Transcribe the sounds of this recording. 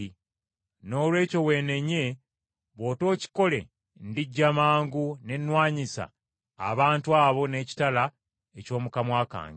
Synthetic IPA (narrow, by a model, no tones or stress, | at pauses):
no̞ːlwe̞ːco̞we̞ːne̞ɲe̞ | βo̞ːto̞ːci̥ko̞le̞̰ | ndiɟːamaːŋɡune̞nwaːɲisa̰ː | βaːntuaːβo̞ne̞ːci̥tala | eco̞ːmukamwaːka̰ːŋɡ